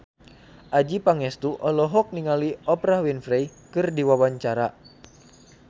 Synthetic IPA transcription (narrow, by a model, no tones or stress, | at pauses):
ʔad͡ʒipaŋɛst̪uʔɔlɔɦɔk̚niŋaliɔpɾahwinfɾɛjkɨrdiwawaɲt͡ʃaɾa